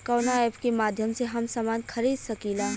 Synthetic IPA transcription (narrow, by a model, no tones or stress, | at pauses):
kɔːnaepkemaːd̪ʱjəmseɦɐmsəmaːnkʰɐɾiːd̪sɐkila